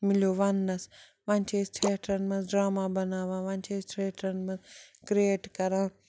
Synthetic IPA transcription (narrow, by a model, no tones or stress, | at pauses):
mɪljoʋɐnːɐs | ʋant͡ʃʰesʈʰeːʈʰɾɐnmɐ̃nɖɾaːmabɐnaːʋãːʋɐnt͡ʃʰeːsʈʰɾeːʈʰɾɐnmɐ̃nkɾieːʈkɐɾã